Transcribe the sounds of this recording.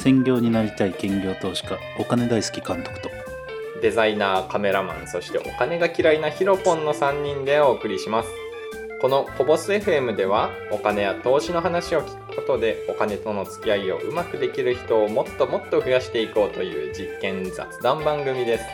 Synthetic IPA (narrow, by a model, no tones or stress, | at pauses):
sẽ̞ŋɡʲo̞ːɲ̟inaɾʲit̪aikẽ̞ŋɡʲo̞ːt̪o̞ːɕi̥ka | okane̞d̪aisɨ̥kʲi̥kãnt̪okɯ̥t̪o̞̥ | d̪e̞zainaːkame̞ɾamã̰ñso̞ɕi̥t̪e̞̰ʔo̞kane̞ɡakʲiɾainaçiɾo̞põ̞nːo̞sãɲ̟ːĩnd̪e̞o̞ːkɯ̟ɾʲiɕimasɨ̥ | ko̞no̞ko̞bo̞sɨe̞ɸɯ̟e̞mɯ̟d̪e̞β̞a | o̞kane̞jat̪o̞ːɕino̞ɦanaɕio̞kʲi̥kɯ̥ko̞t̪o̞d̪e̞o̞kane̞t̪o̞no̞t͡sɨ̥kʲiaio̞̰ʔɯ̟makɯ̟d̪e̞kʲiɾɯ̟çi̥t̪o̞ːmo̞t̪ːo̞mo̞t̪ːo̞ɸɯ̟jaɕi̥t̪e̞iko̞ːt̪o̞jɯ̟̰ːd͡ʑikːẽ̞nd͡za̰t͡sɨd̪ãmbãŋɡɯ̟mʲid̪e̞sɨ̥